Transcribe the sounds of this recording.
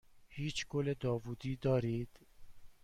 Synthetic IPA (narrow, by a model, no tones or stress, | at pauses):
hiːt͡ʃʰɡoled̪ɒːvuːd̪iːd̪ɒːɾiːd̪̥